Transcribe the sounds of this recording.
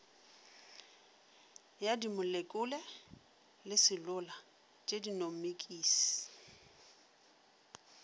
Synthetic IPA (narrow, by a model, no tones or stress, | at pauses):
jadimʊlekʼʊlɛ | lɪsɪlʊla | t͡ʃʼedinom̩mekʼiːsi̥